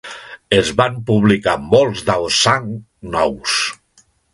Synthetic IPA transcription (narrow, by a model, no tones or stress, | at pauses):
ezβampuβlikamolˠzðawsːaŋ | nɔws